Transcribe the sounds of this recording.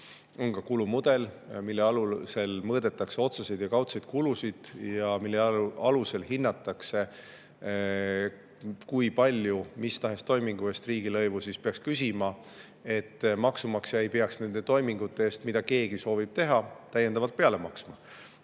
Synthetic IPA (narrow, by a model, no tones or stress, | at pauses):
o̞nkɑkulumud̪̥e̞l | milːe̞ɑluse̞lmɤːd̪̥e̞t̪ːˑɑkse̞o̞t̪sɑsejd̪̥jɑkɑwt̪sejd̪̚kulusid̪̥jɑmilːe̞ɑluse̞lɦinːɑt̪ːˑɑkse̞ | kujpɑlʲjumist̪ɑɦe̞st̪o̞jmiŋɡ̥ue̞st̪riːɡilɤ̞jvusispeɑkskysimɑ | e̞t̪ːmɑksumɑksjɑejpe̞ɑksne̞nd̪̥e̞t̪o̞jmiŋɡ̥ut̪ːˑe̞eːst̪mid̪̥ɑke̞ːɡ̥iso̞ːvib̥̚t̪e̞ɦɑt̪æjed̪̥ɑvɑlt̪̚peɑle̞mɑksmɑ